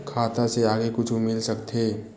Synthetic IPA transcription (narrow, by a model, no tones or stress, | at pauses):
kʰaːt̪aseaːɡekʊt͡ʃʰumɪlsɐkt̪ʰeː